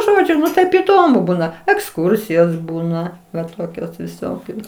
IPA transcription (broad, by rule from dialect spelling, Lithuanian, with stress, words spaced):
ˈʒoːd͡ʒʲʊ nʊ ˈtɐɪp iːˈdoːmʊ ˈbuːnɐ ɛksˈkʊrʲsʲɪjoːs ˈbuːnɐ ʋɐ ˈtoːkʲoːs ʋʲɪˈsoːkʲoːs